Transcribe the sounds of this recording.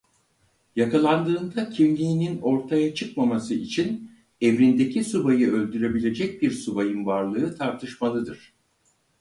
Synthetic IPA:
jakʰalˠand̪ɯːnd̪acʰimlʲiːnino̞ɾt̪ʰajat͡ʃʰɯkmamasɯit͡ʃʰin | ɛvɾind̪e̞cʰisubajɯølʲd̪yɾe̞bilʲe̞d͡ʒɛc̚biɾsubajɯnvaɾlˠɯɯt̪ʰaɾt̪ʰɯʃmalˠɯd̪ɯɾ̥

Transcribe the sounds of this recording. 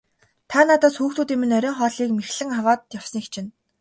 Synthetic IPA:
t̪ʰaːnat̪ɔːsxuːxt̪uːt̪iːmɘ̆nœɾʲœːŋχɔːɮiːkmexɮɘ̆ŋawaːt̪jaw̥sɞ̆nikt͡ɕʰɪ̆n

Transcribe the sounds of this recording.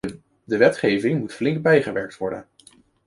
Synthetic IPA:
dəʋɛtχejvɪŋmutflɪŋk̚bɛjχəʋɛɹk̚tʋɔɹdə̰n

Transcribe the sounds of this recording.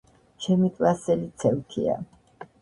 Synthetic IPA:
t͡ʃʰɛmikʼlasɛlit̪sʰɛwt̪ʰḭa̰

